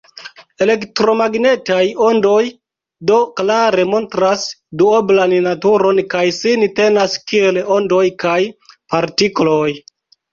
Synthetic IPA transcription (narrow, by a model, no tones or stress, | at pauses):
e̞le̞ktɾo̞maɡne̞tajo̞ndo̞j | do̞klaɾe̞mo̞ntɾasduoblannatuɾo̞nkajsinte̞naskie̞lo̞ndo̞jkajpaɾtiklo̞j